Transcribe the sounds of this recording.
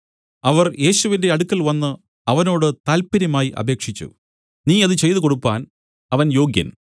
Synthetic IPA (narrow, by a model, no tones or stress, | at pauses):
ɐʋɐrje̞ːɕuʋinde̞ɐɽukːɐlʋɐnːɨ | ɐʋɐno̞ːɽɨt̪aːlpiɾɐmaːjiʔɐ̰bʱe̞ːkʂit͡ɕːṵ | niːɐðɨt͡ɕe̞jt̪uko̞ɽupːaːn | ɐʋɐnjo̞ːɡjɐ̰n